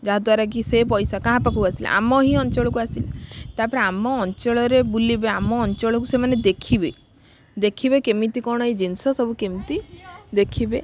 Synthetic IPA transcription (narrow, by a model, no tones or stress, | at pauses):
d͡ʒaɦad̪waɾak̬isepɔjsakãɦãpakukasila̰ʔa̰mɔɦiɔnt͡ʃɔɭɔkuasilat̪apɔɾeamɔːnt͡ʃɔɭɔɾebulibeamɔːnt͡ʃɔɭɔkusemaned̪ekʰibe | d̪ekʰibekemit̪ikɔɽ̃ɔid͡ʒinsɔsɔbʱukemit̪id̪ekʰibe